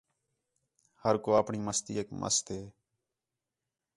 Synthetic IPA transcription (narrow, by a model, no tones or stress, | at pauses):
həɾkoːaːpɳiːməst̪ḭːeːkmʔə̰st̪eː